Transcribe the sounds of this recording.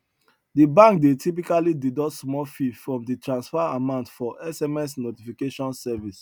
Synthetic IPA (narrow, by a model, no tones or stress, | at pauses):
dibãŋkdetʰipikalididɔtsmɔfifɹɔ̃mditɹãnsfaamãʊ̃ntfɔʔɛsɛmɛs̬notifikeʃɔ̃nsɛvis